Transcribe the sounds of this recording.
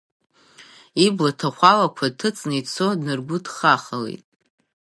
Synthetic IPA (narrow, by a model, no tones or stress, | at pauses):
iblatʰaχʷalakʷʰatʰɨt͡sʼnit͡sʰodnɨrɡʷʊdχaχəlḛtʼ